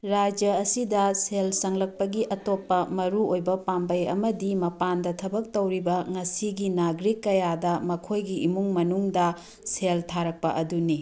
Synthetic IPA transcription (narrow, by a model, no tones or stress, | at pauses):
ɾad͡ʒjɐːsidɐselsɐŋlɐk̚pɐɡiʔɐtopːɐmɐɾuojbɐpambɐjɐ̰mɐdimɐpandɐtʰɐbɐk̚towɾibɐŋɐsiɡinaɡɾikːɐjadɐmɐkʰojɡiʔimuŋmɐnuŋdɐ | seltʰaɾɐk̚pɐʔɐduni